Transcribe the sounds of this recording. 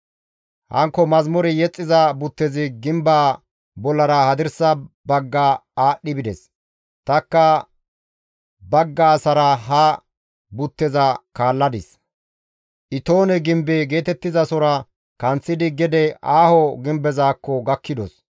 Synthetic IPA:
hɐ̰ŋkːɔmɐzmɔɾɪjɛt͡sʼːɪzɐbʊt̪ːɛzɪɡɪmbaː | bɔlːɐɾɐhɐd̪ɪɾsɐbɐɡːaaːɗːɪbɪd̪ɛs | t̪ɐkːɐ | bɐɡːɐːsɐɾɐɦɐ | bʊt̪ːɛzɐkaːlːɐd̪ɪs | ʔɪt̪oːnɛɡɪmbɛɡe̞ːt̪ɛt̪ːɪzɐsɔɾɐ | kɐnt͡sːɪd̪ɪɡɛd̪ɛaːhɔɡɪmbɛzaːkːɔɡɐkʰːɪd̪ɔs

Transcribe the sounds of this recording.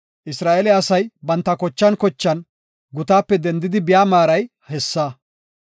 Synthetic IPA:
ʔɪsɾaːʔɛlɛɐsɐjbɐnt̪ːɐkɔt͡ʃːɐnkɔt͡ʃːɐn | ɡʊt̪aːpːɛd̪ɛnd̪ɪd̪ɪbɪjaːmaːɾɐj | hɛsːaː

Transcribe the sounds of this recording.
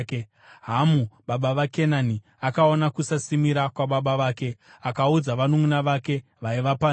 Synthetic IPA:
ɦamuɓaɓaʋake̞nani | akao̞nakusasimiɾakwaɓaɓaʋaːke̞akaud͡zaʋanomunaʋake̞ | ʋaiʋapa

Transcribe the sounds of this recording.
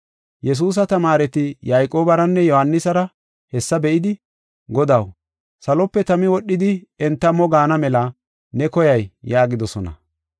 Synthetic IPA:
jɛs̬uːs̬ɐt̪ɐmaːɾɛt̪ɪjajkʼo̞ːbɐɾɐnːɛjɔhɐnːɪsɐɾɐ | hɛsːɐbɛʔɪd̪ɪ | ɡɔd̪ɐw | sɐlɔpːɛt̪ɐmɪwɔɗːɪd̪ɪɛnt̪ːɐmɔɡaːnɐmɛlɐ | nɛkɔjɐjjaːɡɪd̪ɔsɔnɐ̰

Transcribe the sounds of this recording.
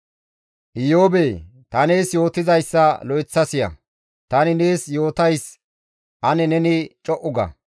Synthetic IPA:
ʔɪjoːbeːt̪ɐneːsjo̞ːt̪ɪzɐjsːɐlɔjt͡sːɐsɪjɐ̰ | t̪ɐnɪne̞ːsjo̞ːt̪ɐjs | ɐnɛnɛnɪt͡ʃʼɔʔʊɡɐ̰

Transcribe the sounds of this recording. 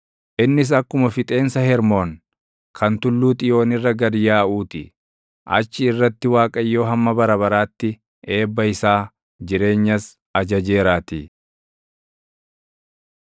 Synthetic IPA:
ʔɪnːɪs̬ɐkːʊmɐfɪt̪ʼe̞ːnsɐhɛɾmo̞ːn | kʰɐnt̪ʊlːuːt̪ʼɪjo̞ːnɪrːɐɡɐdjaːʔuːt̪ɪ | ʔɐ̰t͡ʃːɪːrːɐt̪ːɪwaːkʼɐjːo̞ːɦɐmːɐbɐɾɐβɐɾaːt̪ːɪ | e̞ːbːɐɪsaː | d͡ʒɪɾe̞ːɲːɐs | ɐd͡ʒɐd͡ʒe̞ːɾaːt̪ɪ

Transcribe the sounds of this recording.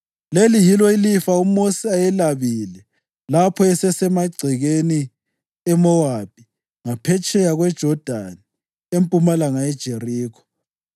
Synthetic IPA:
lelijilɔilifaumosiajɛlaβilɛ | lapʰɔɛsɛsɛmaɡ͡ǀʱiɣeni | ɛmɔwap̚i | ŋapʰɛt͡ʃʼɛjaɣwɛd̥ʒ̥ʱɔd̥ʱani | empʼumalaŋaɛd̥ʒ̥ʱeriːkʰɔ̥

